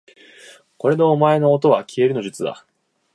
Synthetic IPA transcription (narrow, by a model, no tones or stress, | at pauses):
ko̞ɾe̞no̞ːmae̞no̞ːt̪̬o̞βakʲie̞ɾɯ̟no̞ʑɨt͡sɨd̪a̰